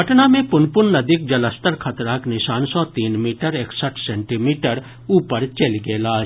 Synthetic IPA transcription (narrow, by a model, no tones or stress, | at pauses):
ɐʈnamẽpʊnpʊnːɐd̪ik̚d͡ʒɐləst̪əɾkʰɐt̪ɾaːknɪʃaːnsɔt̪iːnmiːʈəɾeːksəʈʰsɛ̃ːɳʈimiːʈəɾ | uːpəɾt͡ʃelɡeːlaːd͡ʒ